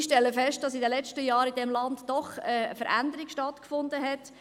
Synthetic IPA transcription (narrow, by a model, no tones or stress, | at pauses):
ʃtɛlːəfɛʃt̚d̥ɑsidəlɛt͡ʃtəjɑːɾidɛmlɑndd̥ɔχəə̰fəɾʔæ̰nd̪əɾikʃtɑtkfʊnd̪əɦɛt